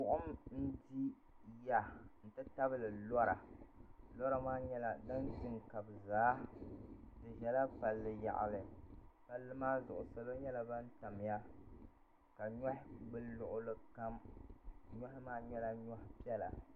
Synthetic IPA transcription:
ʊ˨ʔʊ˦mn̩˦di˦ | ja˨n̩˨tɨ˦ta˦bɨ˦lɨ˨lɔ˦ɾa̰˨ | lɔ˦ɾa˦maː˦ɲɛ˦la˨da˦ntɨ˨ŋka˨bɨ˨zaː˨˦ | tɨ˨ʒɛ˨la˦pa˨lːɨ˨ja̰˨ʔa̰˨lɨ˨pa˨lːɨ˦maː˦zʊ̰˨ʔʊ̰˨so˨lo˦ɲɛ˦la˨ba˦n˦ta˨m˨ja˦ | ka˨ɲɔ˦hɪ˦ɡ͡bɨ˦nlʊ˨ʔʊ˦lɨ˦ka˦m | ɲɔ˦hɪ˦maː˦ɲɛ˦la˦ɲɔ˦hɪ˦pi˦ɛ˦la̰˨

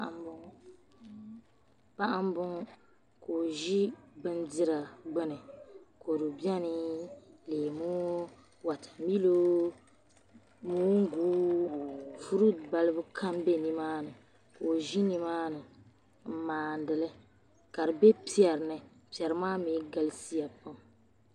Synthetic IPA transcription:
b | pa˦ʔa˦m˦bʊ˦ŋ˦ | koː˨ʒi˦bɨ˦ndɪ˦ɾa˨ɡ͡bɨ˦nɨ˨ko˨ɾu˨bi˦ɛ˦nɨ˦leː˨muː˦ | wa˨tʰḁ˨mi˦lo˦ | muː˦ŋ̩˦ɡuː˦ | fu˦ɾu˦ba˦lɨ˦bʊ˦kʰa˦mbe˦ni˦maː˦nɨ˨ | ko˨ʒi˦ni˦maː˦nɨ˨ | m̩˦˨maː˨n˨dɨ˨lɨ˦ | ka˨ɾɨ˨be˦pi˦ɛ˨ɾnɨ˨pi˨ɛ˨ɾɨ˨maː˦mi˨˦ɡa˦lsi˦ja˨pa˦m

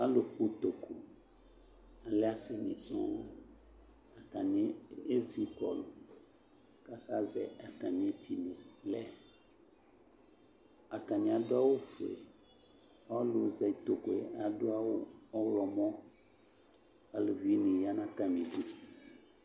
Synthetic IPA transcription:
a˦lo˨k͡po˦t̪o˨kʰo˨ | a˨lɛ˦a˦sɪ˨nḭ̃˨sɔ̰̃˦ | a˨ka˨nĩ˦e˦zi˦kɔ̰˨l | ka˦ka˦zɛ̰˨a˨t̪a˨nĩ˨e˦t̪ʰi˨nẽ˨lɛ˦ | a˨ka˨nĩ˨a˨dʊ˦a˦wo˦fḛ˨ | ɔ˦lo˨zɛ˨t̪o˨ko˨e˨˦a˨ɖo˦a˦wo˦ɔ˦wlɔ˨mɔ̃˦ | a˨lo˨vi˦nĩ˨ja˦nã˦ta˨mĩ˨du˦

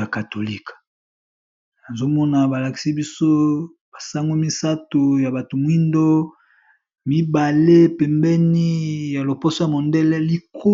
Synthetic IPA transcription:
a˨ka˨to˨li˦k | na˨zo˦mɔ˦na˨ba˨la˨ki̥˨si˦bi˦so˦ | b̥a˨sa˦ŋɡo˦mi˦sa˦to˨ja˨ba˨to˨mwi˦ndo˦ | mi˦ba˨le˦pɛ˨mbɛ˦ni˦ja˨lo˨po˦so˦ja˨mo˨ndɛ˦lɛ˦li˦kʰo˦

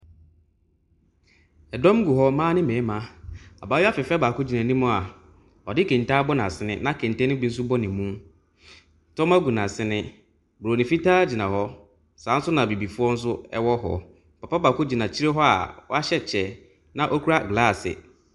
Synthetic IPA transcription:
ɛ˨dɔ̃˦m˦ɡu˨ɦɔ˦mãː˦nɪ̃˦mɛ̃˨˦mã˦a̰˨baː˨˦ja˦fɪ˨fɛ˦baː˨kʊ˦d͡ʑi˨nã˨nĩ˦mʊ̃˦a˨ | ɔ˨dɪ˦kʰɛ̃˨nta˦bɔ˦nã˨sɪ˨˦nɪ̃˦nã˦kʰɛ̃˨ntɛ̃˦nɪ̃˦bi˦n̩˦s̬ʊ˦bɔ˦nɪ̃˨mːũ˦˨ | tɔ̃˦ma˦ɡu˨nã˨sɪ˦nɪ̃˦ | bo˨nĩ˨fi˦taː˦d͡ʑi˨nã˨hɔ˦ | sãː˨˦n̩˦sʊ˦nã˨bi˨bi˨fʊ˦ɔ˦n̩˦s̬ʊ˦ɛ̰˦wɔ˦ɦɔ̰˨ | pʰa˨pa˦baː˨kʊ˦d͡ʑi˨nã˨t͡ɕʰi˦ɾe˦ɦɔ˦a̰˨wɔ̰˦a˦ɕɛ˦t͡ɕʰɛ˨ | nã˨ʔɔ˦kʰu˦ɾa˦ɡlaː˦˨sɪ̰˨

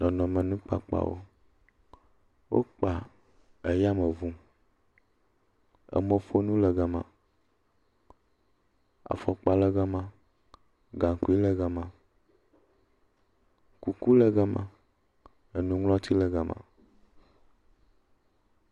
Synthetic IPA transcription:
nɔ̃˨nɔ̃˨mɛ˨nũ˦k͡pa˦k͡pa̰˨wo̰˦ | wʔo̰˦k͡pa˨ | e˨ja˦mɛ˨vũ˦ | ə̰˨mo˨fo˦nũ˦lɛ˨ɡa˨mã̰˨ | a̰˨fɔ˨k͡pa˨lɛ˨ɡa˦mã˨ | ɡã˨ŋ˨ku˦i˦lə˨ɡa˨mã̰˨ | ku˨ku˦lə˨ɡɛ˦mã̰˨ | e˨nũ˨ŋlɔ˦t̪ʰi˦lɛ˨ɡa˨mʔã̰˨

